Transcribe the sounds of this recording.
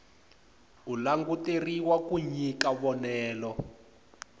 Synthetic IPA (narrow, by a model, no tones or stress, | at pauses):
ulaŋɡuteriwakuɲikaβɔnɛːlɔ